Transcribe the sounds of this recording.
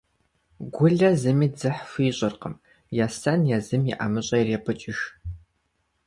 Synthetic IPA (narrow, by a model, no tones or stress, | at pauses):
ɡʷʊɮɐzɨmiːd͡zɨħfɨːɕʼɐrqəm | jaːsɐnjazɨmiʔa̰mɨɕʼɐjɪreːpʰɨt͡ʃʼɪʃ